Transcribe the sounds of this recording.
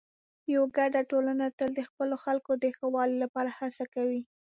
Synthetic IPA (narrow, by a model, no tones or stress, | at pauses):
jawaɡaɖaʈolanat̪əld̪əxpəloxalkod̪əxəwɑlilapɑɾahasakawi